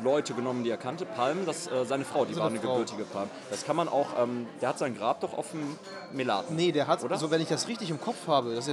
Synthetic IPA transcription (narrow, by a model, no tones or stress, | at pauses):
lɔʏtəɡənɔməndiːeːɐkʰantəpʰalmdasʔɛːzaɪnəfʁ̥aʊdiːzanəɡəʊltɪɡəpʰalmd̥askʰanmanʔa̰ʊxʔɛːmd̥eːɐhatz̥aɪnɡʁaːp̚d̥ɔχa̰ʊfm̩ | mela̰ːtnədeːɐɦatoːdɐzovɛnɪçd̥asʁɪçtɪçɪmkʰɔp͡fhaːbəd̥as